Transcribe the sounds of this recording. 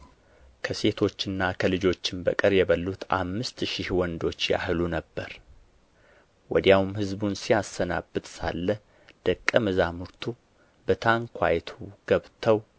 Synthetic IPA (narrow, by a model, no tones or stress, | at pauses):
kʰəse̞t̪ʰo̞t͡ʃːɨnːakʰəlɨd͡ʒo̞t͡ʃːɪmbə̰kʼɨɾjɛβəlːut̪ʰa̰mːɨst̪ʃihwɔnd̪o̞t͡ʃːja̰hɨlunəbːəɾ | wɔd̪jawmhɨzbunsijasːəna̰bːɨt̪sa̰lːə | d̪̥əkʼːəmɨzamuɾt̪ʰu | bət̪ʰaŋkʷʰwa̰jt̪ʰuɡ̥əβt̪ʰəw